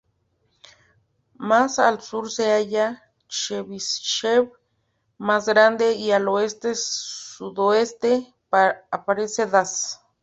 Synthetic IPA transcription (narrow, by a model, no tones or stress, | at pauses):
masalsuɾseaja | t͡ʃeβisʃew | masɣɾand̪eialoest̪esuðoest̪e | apaɾeseðas